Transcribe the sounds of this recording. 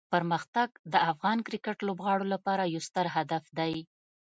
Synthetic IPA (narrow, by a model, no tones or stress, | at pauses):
pəɾməxt̪aɡ̚d̪əafɣɑnkɾɪkəʈlobɣɑɽolapɑɾajawst̪əɾɦad̪afd̪aj